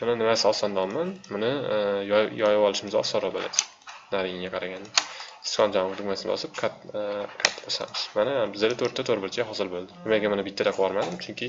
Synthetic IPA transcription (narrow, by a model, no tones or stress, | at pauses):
mʊnanɪmasɒsɒnd̪aɒlˠmanmʊnɪjjɒjawɒlˠɪʃɪmɪzɒ̰sɒɾɒbola̰sɪ̥ | naɾɪjɪŋʲaqʰɑɾaɡʲand̪ɪɪ̥skʰɒnd͡ʒamd̪ʊɡmasɪnbɒ̰sɪp̚kʰatkʰat̪ʰːbosa̰nɪʃmanabɪzd̪elɪt̪ʰɵɾt̪ʰːat̪ʰoɾbɪɾt͡ʃʰʲaɦɒzɪɾbolˠd̪ɪnɪmaɡʲamanɪbɪt̪ːad̪aqʰwɒɾmad̪ɪmt͡ʃʰʊŋkʲɪ